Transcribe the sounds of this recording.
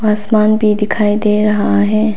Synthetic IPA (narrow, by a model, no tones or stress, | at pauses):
aːsmaːnbʱid̪ɪkʰaːid̪eːɾɐɦaɦɛː